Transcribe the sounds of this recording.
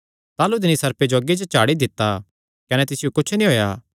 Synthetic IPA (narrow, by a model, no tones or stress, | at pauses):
t̪aːlud̪ɪnisɐɾped͡ʒoɐɡed͡ʒt͡ʃaːɽid̪ɪt̪ːa | kɐnɛt̪ɪsɪjokʊt͡ʃʰnĩɦoːjaː